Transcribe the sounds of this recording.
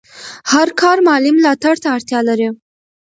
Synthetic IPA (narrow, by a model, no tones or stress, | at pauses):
haɾkɑɾmɑlimlɑt̪aɽt̪aːɽt̪jɑlaɾi